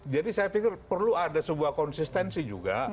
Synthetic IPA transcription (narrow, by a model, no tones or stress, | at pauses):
d͡ʒadisajafikɪrpərluadasəbuahkɔnsist̪ɛnsid͡ʒṵɡa̰